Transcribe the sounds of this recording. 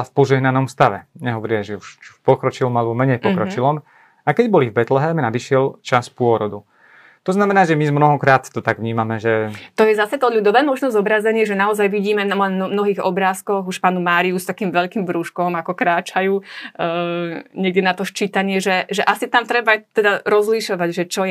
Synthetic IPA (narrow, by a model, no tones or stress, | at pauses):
fpɔʒɛɦnanɔmst̪aʋɛ̰ɲɛɦɔʋɔɾiaʒɛuʃt͡ʃu̥pɔkɾɔt͡ʃilɔmalɛbɔmɛɲɛjpɔkɾɔt͡ʃilɔm | akɛɟbɔlivbɛt̪lɛɦɛmnad̪iʃɪɛlt͡ʃaspʊɔɾɔd̪u | t̪ɔznamɛnaːʒɛmizmnɔɦɔkɾaːt̪ːɔt̪aɡʋɲiːmamɛʒɛt̪ɔjɛzasɛt̪ɔʎud̪ɔʋɛːmɔʒnɔzɔbɾazɛɲɪɛʒɛnaɔzajʋiɟiːmɛnalɛnmnɔɦiːɣɔbɾaːskɔɣuʃfpaːnumaːɾiust̪akiːmʋɛʎkiːmʋɾuʃkɔmakɔkɾaːt͡ʃajuː | ɲɛɡ̚dɛnat̪ɔʃt͡ʃiːt̪aɲɪɛʒɛʒɛʔasit̪amt̪ɾɛbat̪ɛd̪aɾɔzliʃɔʋaɟʒɛt͡ʃɔ